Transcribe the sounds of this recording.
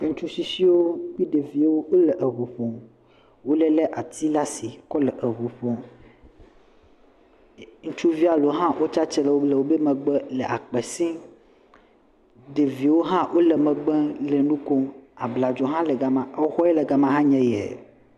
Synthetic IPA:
ke˦ŋ̩ũ˦t͡ʃu˦si˦si˦wo˦k͡pi˦ɖe˨vi˨wo˦e˦lɛ˨ʔə˨βu˨ɸɔ̃˨ | wo˦lɛ˦lɛ˦ʔa˨t̪i˦la˦si˨kɔ˦lɛ˨ʔə˨βu˨ɸɔ̃˨ | ŋũ˦t͡ʃu˦vi˦a˨lo˨ɦã˦wʔo˦t͡ʃa˦t͡ʃɛ˦lɛ˨wo˦lɛ˨wo˦be˦mɛ̃˨ɡ͡bɛ˦lɛ˨ʔa˨k͡pɛ˨sĩ˦ | ɖe˨vi˨wo˦ɦã˦wʔo˦lɛ˨mɛ̃˨ɡ͡bɛ̃˦le˨nũ˦kɔ˦a˨bla˨d͡ʒɔ˨ɦã˦lɛ˨ɡa˨mã˨˦xɔ˦ɛ˦lɛ˨ɡa˨mã˨ɦã˦ɲɛ̃˦jɛ̰˨

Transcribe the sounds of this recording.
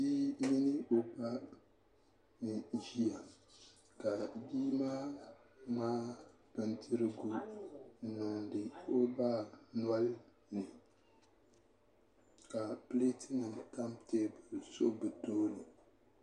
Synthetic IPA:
biː˦mi˦nɪ˦o˦pa˦ | nɨ˨ʒi˦a˨ | ka˨biː˦maː˦maː˦ | bɨ˨ntʰɨ˦ɾɨ˦ɡu˦˨ | na˨ndɨ˨o˦ba˦n˦a˦l | nɨ˨ | ka˨pɨ˦le˦tɨ˦nɨ˨ta˦mteː˦bɨ˨so˦bɨ˨toː˦nɨ˨

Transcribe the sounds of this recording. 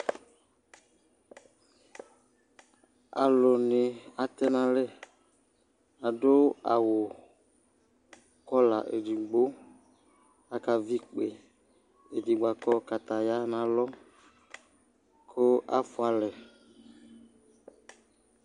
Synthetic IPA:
a̰˨lo˨nɪ˨a˨t̪ɛ˦nã˨lɛ˦ | a˨dʊ˦a̰˨wo˨ | kɔ˦la˨ʔḛ˨di˨ɡ͡bo˦ | a˨ka˨vi˦k͡pe˨ | e˨di˨ɡ͡ba˨kɔ˦ka˨t̪a˨ja˦nã˨lɔ˦ | kʰo˦ʔa̰˦fʊ˦a˨lɛ˨

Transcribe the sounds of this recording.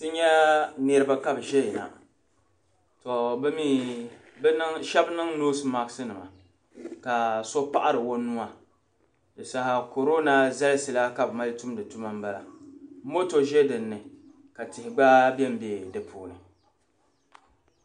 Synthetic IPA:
tɨ˦ɲɛ˦nɛ˦ɾɨ˦ba˦ka˦bʒɛ˦jɛ˨na̰˨ | to˨bɛ˦mi˦ | ʃɛ˦bnɨ˦ŋnoː˦sɨ˦ma˨ɡsɨ˦nɨ˨ma˨ | ka˨so˦pa˦ʔa˦ɾɨ˨wo˦nːu˦a˨ | dɨ˨sa˨ha˨ko˨ɾo˦na˦za˦lsɨ˨la˦ka˨bma˦ltu˦mdɨ˨tu˦ma˦m̩˦ba˦la̰˨˦mo˦to˦ʒɛ˦dɨ˨nːɨ˨ | ka˨tɪ˨hɪ˨ɡ͡baː˦bɛ˦m˦bɛ˨dɨ˨pʰuː˨nɨ˨

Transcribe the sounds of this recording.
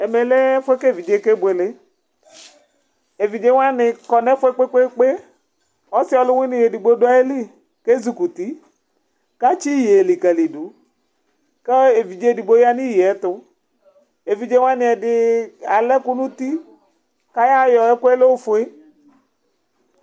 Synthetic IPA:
e˨me˨le˦fʊ˦e˦ke˦˨vi˨d͡ʒe˨˦ke˦bʊ˨e˨le˦ | e˨vi˨d͡ʒe˦ŋ˦a˦nɪ˨kɔ˨nɛ˦fʊ˦e˦k͡pe˦k͡pe˦k͡pe˦ | ɔ˦sɪ˦ɔ˨lʊ˦wɪ˦nɪ̃˦˨je˨di˨ɡ͡bo˦dʊ˦a˦e˦li˦ | ke˦zu˨ku˨t̪i˦ | ka˦t͡ʃi˦je˨li˨kɛ˨li˨du˨ | ke˦e˨vi˨d͡ʒe˦˨di˨ɡ͡bo˨˦ja˦ni˦˨je˨ɛ˨˦t̪ʊ˦ | e˨vi˨d͡ʒe˦wa˦nɪ̃˨ɛ˨dɪ˨a˨lɛ˦ku˦nũ˦t̪i˦ | ka˦ja˦jɔ˨e˦ko˦e˦le˦wo˦fʊ˨˦e˦

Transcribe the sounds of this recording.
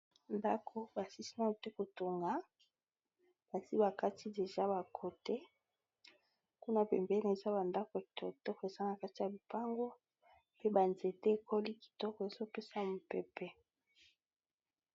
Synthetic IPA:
nda˦kʰo˨ba˨si˦si˦na˦u˨te˦ko˨to˨ŋɡa˨˦ | b̥a˨si˦ba˨ka˦tʰi˦de˨ʒa˦ba˨kʰo˨te˦ | ku˦na˦pɛ̰˨mbe˦n˨e˨za˦ba˨nda˦kɔ˨tɔ˨tɔ˦kɔ˨e˨za˦na˨ka˦ti˦ja˨bi˨pa˦ŋɡo˦ | pe˦ba˨nze˨te˦e˨ko˦li˦ki̥˨tɔ˦kɔ˨e˨zo˦pe˦sa˦mo˨pɛ˦pɛ˦

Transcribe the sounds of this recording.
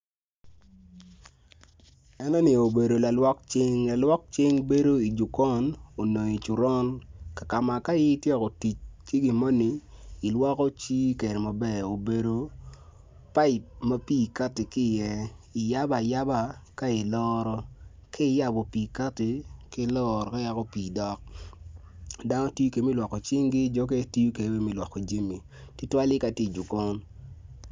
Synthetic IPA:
ɛ˦nɔ˦ni˨o˨be˨do˨la˨lwɔ˦k̚t͡ʃɪ˦ŋla˨lwɔ˦k̚t͡ʃɪ˦ŋbe˦do˦i˨d͡ʒu˨kɔ˦no˨no˨ɲi˨t͡ʃu˨ɾɔ˦nka˨ka˨ma˨ka˦jɪ˦tjɛ˦kɔ˨ti˨t͡ʃki˦ɡi˨ma˦niː˨˦˨lwɔ˦kɔ˦t͡ʃi˦ke˨ɾe˨ma˨bɛ˦˨o˨be˨do˨ | pa˦ɪ˨t̚ma˦pi˦˨ka˦ti˨kɪ˦˨jɛ˦ | i˨ja˦ba˨ja˦ba˦ka˦i˨lɔ˦ɾɔ˦ | kʰɪ˦ja˦bo˨pi˨ka˦ti˨kɪ˦lɔ˦ɾɔ˨ka˦ja˦kɔ˦piː˨dɔ˨k̚ | da˦nɔ˦ti˦ju˦ke˨˦mi˦lwɔ˨kːo˨t͡ʃɪ˦ŋɡɪ˦d͡ʒɔ˦ke˦ti˦ju˦ke˨˦we˦mi˦˨lwɔ˨kːo˨d͡ʒi˦mi˨ | tɪ˦twa˦li˦ka˨ti˨d͡ʒu˨kɔ˦n

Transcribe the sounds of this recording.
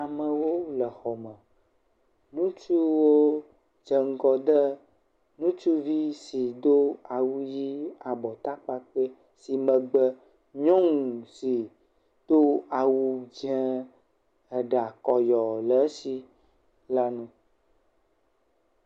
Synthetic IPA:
a˨mə̃˨wo˦lə˨xɔ˨mə̃˨ | nũ˦t͡ʃu˦wo˦ | d͡ʒə˨ŋ̩˦ɡɔ˨d̪ə˦ | nũ˦t͡ʃu˦vi˦si˨d̪o˦a˨wu˦ji˦a˨bɔ˨t̪a˦k͡pa˦k͡pə˦ | si˨mə̃˨ɡ͡bə˦ | ɲɔ̃˦ŋũ˨si˨ | d̪̥o˦a˨wu˦d͡ʒɛ̃˦ | ə˨ɖa˨kɔ˨jɔ˨lə˨˦si˦ | la˦nũ˦

